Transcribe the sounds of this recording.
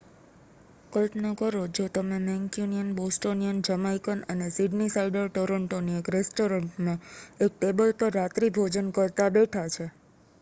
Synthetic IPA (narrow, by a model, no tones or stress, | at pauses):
kəlʈnəkəɾod͡ʒot̪əmemɛ̃ŋkjunijənbosʈonijənd͡ʒəmaikənənesiɖnisaiɖəɾʈoɾəɳʈoniekɾesʈoɾəɳʈmãek̚ʈebəlpəɾːat̪ɾibʱod͡ʒənkəɾt̪abeʈʰat͡ʃʰe